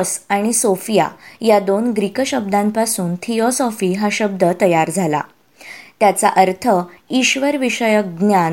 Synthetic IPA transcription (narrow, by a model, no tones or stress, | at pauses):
saɽ̃isofija̰jad̪onɡɾikəɕəb̚d̪ãmpasuːnt̪ʰijɔsɔfiɦaɕəb̚d̪ət̪əjaɾd͡zʱala̰ | t̪jat͡saʔəɾt̪ʰəiɕʋəɾʋiɕəjək̚ɡnjan